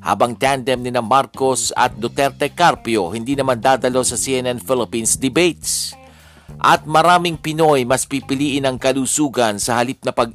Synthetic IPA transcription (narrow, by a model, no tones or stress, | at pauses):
ha̰ːbɐŋt̪and̪ɛmnɪnamaɾko̞sɐ̰t̪̚d̪ot̪ɛɾt̪ɛkaɾpjohɪnd̪iːnɐmand̪aːd̪ɐlo̞sɐsiʔɛnɛnfɪlɪpinsd̪ɪbejt̪s | ʔɐt̪̚mɐɾaːmɪŋpɪno̞jmɐspipɪliːʔɪnɐŋkɐluːsuːɡɐnsɐhɐlip̚nɐpɐɡ̚